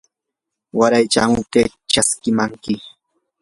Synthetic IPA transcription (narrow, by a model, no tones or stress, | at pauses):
waɾajt͡ʃa̰mʊt̪e | t͡ʃaskɪmaŋkɪ